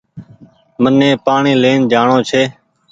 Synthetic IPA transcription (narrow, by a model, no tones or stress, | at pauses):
mənːẽːpaːɳiːleːnd͡ʒaːɳõːt͡ʃʰeː